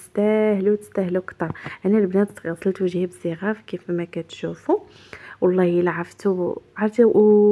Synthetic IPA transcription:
əst̪æhluwt̪ə̥st̪æhlukt̪ɑɾˤʔænælbnæd̪t̪ɣɑsˤəlt̪wʒihæbəziɣafkifmækæt̪ʃufu | wɑlˤːɑhjəlʕəft̪uʕɑɾˤd̪i

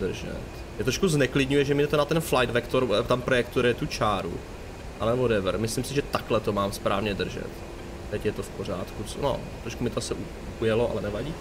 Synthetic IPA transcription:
d̪r̩ʒɛ̰t̪ | jɛt̪ɾoʃkuznɛklɪdɲujɛʒɛmiɛt̪onat̪ɛnflajd̪vɛkt̪oɾt̪ampɾojɛkt̪uɾɪjɛt̪ut͡ʃaːɾṵ | ʔanɛvodɛvɾmɪslɪmsɪʒɛt̪aklɛt̪o̞maːmspɾaːvɲɛd̪r̩ʒɛ̰t̪ | t̪ɛcjɛt̪o̞fpor̝aːt̪kuno̰ | t̪ɾoʃkumɪt̪oasɛʔu | ujɛloʔa̰lɛnɛvaɟiː

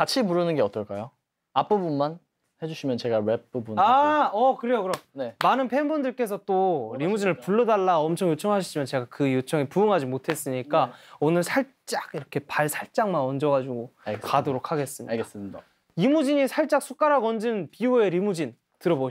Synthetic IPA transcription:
kat͡ɕʰimuɾɯnɯnɡe̞ʌt͈ʌɭk͈ajo | ap͈ɯbunman | he̞d͡ʑuɕʰimjʌnt͡ɕe̞ɡawep͈̚ɯbunaʌkɯɾejokɯɾʌmnemanɯnpʰenbundɯɭk͈e̞s̬ʰʌt͈oɾimud͡ʑinɯɭpuɭːʌdaɭːaʌmt͡ɕʰʌŋjot͡ɕʰʌŋɦaɕʰid͡ʑimjʌnt͡ɕe̞ɡakɯjot͡ɕʰʌŋepuɯŋɦad͡ʑimotʰe̞s͈ɯɲik͈aonɯɭsʰaɭt͡ɕ͈aɡiɾʌkʰe̞paɭsʰaɭt͡ɕ͈aŋmanʌnd͡ʑʌɣad͡ʑuɡokadoɾok̚ʰaɡe̞s͈ɯmɲḭa | imud͡ʑiɲisʰaɭt͡ɕ͈ak̚sʰuk͈aɾaɡʌnd͡ʑɯnpiue̞ɾimud͡ʑin | tɯɾʌboɕ

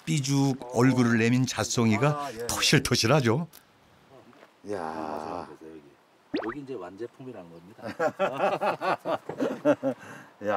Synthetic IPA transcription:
p͈id͡ʑuɡʌɭɡuɾɯɭːe̞mint͡ɕas͈ʰʌŋiɡatʰoɕʰiɭtʰoɕʰiɾɦad͡ʑo | ja̰ | koɡiːd͡ʑewand͡ʑepʰumiɾanɯɡʌmɲida | ja

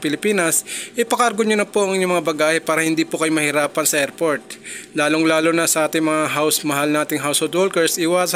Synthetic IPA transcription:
pɪlɪpiːnɐsʔɪpɐkɐɾɡoɲonɐpoʔɐŋɪɲoŋmɐŋabɐɡaːhɛpaːɾɐhɪnd̪iːpokɐjomɐhɪɾaːpɐnsɐʔɛɾpoɹt̪̚laːloŋlaːlonɐsɐʔaːt̪ɪŋmɐŋaɦawsmɐɦalnaːt̪ɪŋɦawshold̪wolkɛɹsʔɪwas

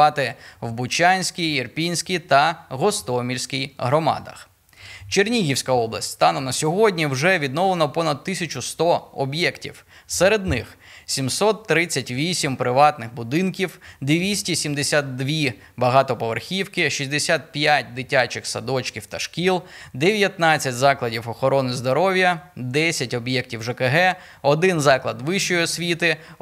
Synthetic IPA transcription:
ɑt̪ɪwbʊt͡ʃʲanʲsʲkʲijirpʲinʲsʲkʲit̪ɐɣɔst̪ɔmʲilʲsʲkʲijɦɾɔmɑ̰d̪ɐ̰x | t͡ʃernʲiɦʲiwsʲkɐɔblˠɐ̰sʲtʲst̪ɑnʊnɐsʲɔɦɔdʲnʲiwʒɛʋʲid̪nɔlˠenɔpɔnɐd̪̚t̪ːɪsʲɐt͡ʃʊst̪ɔɔbjɛktʲḭw | sɛɾed̪nɪx | sʲimsɔt̪ːɾɪt͡sʲːɐtʲʋʲisʲimpɾɪʋɑt̪nɪxbʊd̪ɪnkʲiwd̪eʋʲisʲtʲisʲimd̪esʲat̪̚d̪ʋʲi | bɐɦɑt̪ɔpɔʋerxʲiwkɪʃisʲd̪esʲat̪̚pʲjatʲd̪ɪtʲat͡ʃɪxsɐd̪ɔt͡ʃkʲiwt̪ɐʃkʲilˠd̪eʋʲjɐt̪nɑt͡sʲːɐtʲzɑklˠɐdʲiwɔxɔɾɔnɪzd̪ɔɾɔʋʲjɐd̪ɛsʲɐtʲɔbjɛk̚tʲiwʒepeɦɛ | ɔd̪ɪnzɑklˠɐd̪ʋɪʃt͡ʃɔjiɔsʲʋʲit̪ɪ

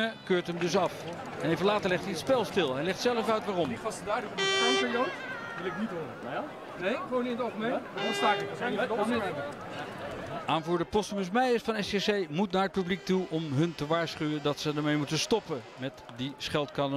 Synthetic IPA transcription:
əkøːɹtɦəmdɵs̬ɑf | ɛnejvəlaːtəɹlɛχtiətspɛlˠstɪlˠɦɛjlɛχtsɛləfœɥtʋaːrɔmʋɑsədaːdəfɔəonpɪɹjowt | ʋɪlɪknitɦoɾə | nejχʋownɪnətoəmejsaːkː | aːnvuːɹdəpɔstəməsmɛjəsfɑnɛsesejmutnaːɹət̚pyblik̚tuʔɔmɦɵntəʋaːɹsχyʋədɑtsədəɹmejmutəstɔpə | mɛtdisχɛlˠtkɑnə

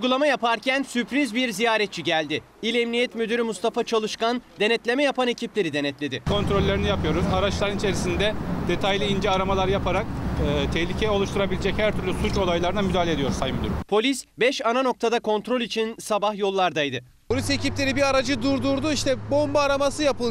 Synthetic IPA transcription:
uɡulˠamajapʰaɾcʰænsypɾizbiɾzijaːɾɛt̪̚t͡ʃʰiɟælʲd̪ɪ | ilʲɛmnijɛt̪myd̪yɾymust̪ʰafat͡ʃʰalˠɯʃkand̪e̞nɛt̪lʲe̞mɛjapʰane̞cʰiplʲe̞ɾid̪e̞nɛt̪lʲe̞d̪ɪkʰo̞nt̪ɾo̞lʲːeɾinijapʰɯjo̞ɾuzaɾat͡ʃlˠaɾɯnit͡ʃʰe̞ɾisind̪ɛd̪̥e̞t̪ʰajlʲiind͡ʒɛaɾamalˠaɾɯjapʰaɾak̚ɯːt̪ʰɛhlʲicʰɛɛo̞lˠuʃt̪ʰuɾabilʲed͡ʒɛchæɾt̪ʰyɾlʲysut͡ʃo̞lˠajlˠaɾɯnamyd̪aːlʲed̪ijo̞ɾusajmyd̪yɾypʰo̞lʲisbɛʃanano̞k̚t̪ʰad̪akʰo̞nt̪ɾo̞lʲit͡ʃʰinsabaxjo̞lˠːaɾd̪ajd̪ɯ | pʰo̞lʲise̞ciplʲe̞ɾibiaɾad͡ʒɯd̪uɾd̪uɾd̪uiʃt̪ʰɛbo̞mbaːɾamasɯjapɯlˠ

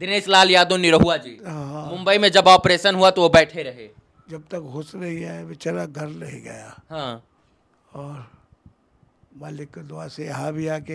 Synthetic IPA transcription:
d̪ɪneːʃlaːljaːd̪õniɾɐɦuad͡ʒiːɦaɦãmʊ̃mbəimẽd͡ʒɐbɔːpɾeːʃənɦuat̪oʋobɛːʈʰeɾɐɦḛː | d͡ʒɐb̚t̪ɐkɦʊsɾɐɦiɦɛʋɪt͡ʃaɾaɡʱɐɾɾɐɦiɡɐ̰ja̰ɦãː | ɔːɾ | maːlɪkːd̪ʊasejɐɦãbʱiaːke

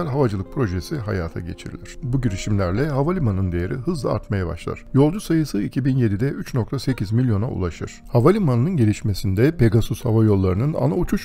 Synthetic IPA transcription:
æɾʲɦavad͡ʒɯlˠɯk̚pʰɾo̞ʒesiɦa̰jaːt̪ʰa̰ɟe̞̰t͡ʃʰḭɾilʲiɾ̥buɟiɾiʃimlʲæɾlʲɛɦavalʲimanɯnd̪ejeɾʔḭɦɯzlˠaa̰ɾt̪majaba̰ʃlˠa̰ɾ̥jo̞lˠd͡ʒusajɯsɯicʰibinje̞d̪id̪ɛʔyt͡ʃno̞k̚t̪ʰase̞cʰizmilʲjo̞na̰ṵlˠaʃɯɾ̥havalʲimannɯnɟe̞lʲiʃme̞sind̪ɛpe̞ɡasusha̰vajo̞lˠːaɾɯnɯna̰naut͡ʃʰuʃ

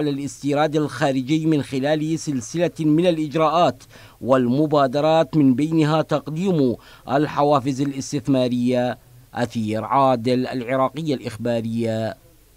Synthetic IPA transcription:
lalʔɪst̪iːɾaːd̪alxaːɾɪd͡ʒɪjːmɪnxɪlaːlsɪlsɪlamɪnalʔɪd͡ʒɾˤɑːʔaːt̪ | walmʊbaːd̪ɑɾˤɑːt̪mɪnbajnɦaːt̪ɑqd̪iːm | ʔalħawaːfɪzalʔɪst̪ɪθmaːɾɪjːa | ʔaθiːɾʕaːd̪ɪla̰lʕɪɾˤɑːqɪjːalʔɪxbaːɾɪjːa

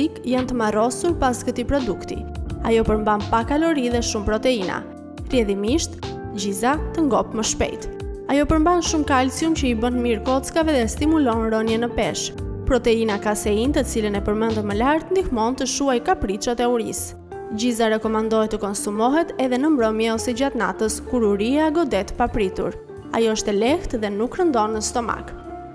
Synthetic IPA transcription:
ikjant̪əmarɔsuɾpaskət̪ipɾɔd̪ukt̪ḭajɔpəɾmbanpakalɔɾiðɛʃumpɾɔt̪ɛina̰ | rjɛðimiʃt̪ | d͡ʑizat̪əŋɡɔpməʃpɛ̰jt̪ajɔpəɾmbanʃumkalsjumcəibənmiɾkɔt͡skavɛðɛst̪imulɔnɾɔnjɛnəpɛʃpɾɔt̪ɛinakasɛint̪ət͡silənɛpəɾmɛnd̪əməlaɾt̪nd̪ihmɔnt̪əʃuajkapɾit̪ʃɔt̪ɛuɾis | d͡ʑizaɾɛkɔmand̪ɔɦɛt̪əkɔnsumɔɦɛt̪ɛðɛnəmbɾɔmjɛɔsɛd͡ʑat̪na̰t̪əskuɾuɾiaɡɔd̪ɛt̪əpapɾit̪ṵɾ | a̰jɔəʃt̪ɛlɛht̪ðɛnukːɾənd̪ɔnːəst̪ɔma̰k

